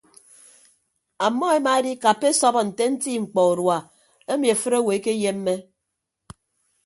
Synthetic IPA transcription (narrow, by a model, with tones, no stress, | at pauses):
a˨mːɔ˦e˦ma˨e˦di˦ka˨pe˦sɔ˦bɔ˦n̩˨te˦n̩˦ti˦ŋ͡m̩˨k͡pɔ˨u˨ɾwa˨ | e˦mi˨e˨fɨ˦ɾe˦we˨˦ke˦je˦mː˦e˦